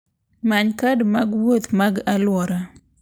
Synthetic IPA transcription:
maɲkadmaɡwot̪maɡalwɔɾa

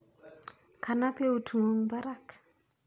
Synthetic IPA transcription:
kʰanapeutʰuŋoŋbaɾak

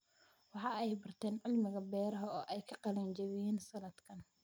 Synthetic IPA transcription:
wɑħɑːɛjbɐrt̪ʰɛːnʕɪlmɪɣɐbɛːɾɐɦɐɔːʔɛjkʰɐqɑlɛːnt͡ʃɐβɪjiːnsɐnɐd̪kʰɐn

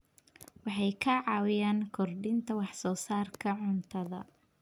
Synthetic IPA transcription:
wɑħɑjkʰɐʕɑːwɪjaːŋkʰɔrɖɪnt̪ʰɐwɑħsɔːsaːrkʰɐʕʊnt̪ʰɐðɐ̰

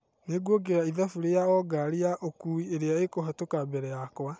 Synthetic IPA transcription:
neɡwɔɡeɾaiðafuɾejaɔɡaɾijaʔokuieɾeaekoɦatokabɛɾɛjakwa

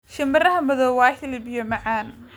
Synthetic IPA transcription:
ʃɐmbɐrɐɦɐmɐðɔːwaːħɪlbɪjɔmɐʕaːn

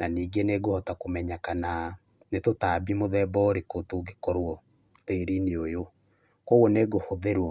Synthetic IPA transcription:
naniːɡeneɡohɔtakomɛɲakana | netotaːbimoðɛbɔɾekotoɡekɔɾwɔ | teɾineojo | koɣoneɡohoðeɾwɔ

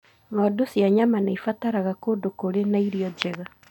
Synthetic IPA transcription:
ŋɔdosjaɲamanaifataɾaɣakodokoɾenaiɾiɔd͡ʒɛɣa

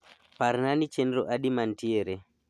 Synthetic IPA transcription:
paɾnanit͡ʃɛndɾoʔaɗimantieɾɛ

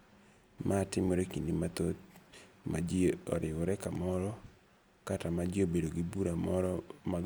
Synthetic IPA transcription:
maːtɪmoɾekindimat̪ot̪ma̰d͡ʒiɔ̰ɾɪwɔɾɛkamɔɾɔ | katamad͡ʒiobedoɡibuɾamɔɾma

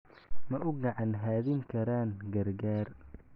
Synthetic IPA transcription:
mɐʔʊɡɑʕɑnɦaːðɪŋkʰɐɾaːŋɡɐrɡaːr

